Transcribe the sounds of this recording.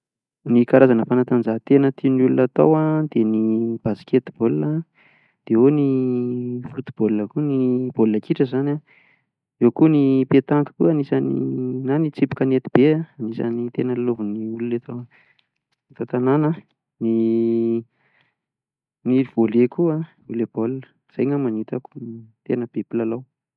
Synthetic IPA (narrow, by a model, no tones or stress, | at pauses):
nikaɾazanəfanat̪and͡ʒaɦt̪enət̪iunulunat̪o̰wad̪̥enib̥asi̥kʲet̪ibolunə | d̪̥eoni | fut̪ub̥olunəkunib̥olunakiʈ͡ʂəzana | ewkunipet̪aŋkə̥kuanisanḭnanit͡sipi̥kənet̪i̥b̥eaanisa̰nit̪enəlilovuniulunet̪o | t̪at̪ananə | ni | niiv̥olekua | ulebolnə̥ | z̥ajŋamanit̪aku̥t̪enəb̥epilalaw